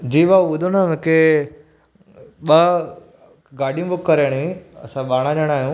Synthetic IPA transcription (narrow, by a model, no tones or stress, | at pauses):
d͡ʑiːʋaʊd̪ʱonəmẽkʰe | ɓɐ | ɡaːɖijũbʊkːɐɾaɽ̃ĩɐ̰sãɓaːɽ̃ãɲəɽ̃aːɦijũː